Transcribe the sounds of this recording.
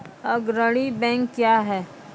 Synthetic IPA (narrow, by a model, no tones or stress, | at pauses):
əɡɾəɽ̃ibɛ̃ːŋkːjaːɦɛː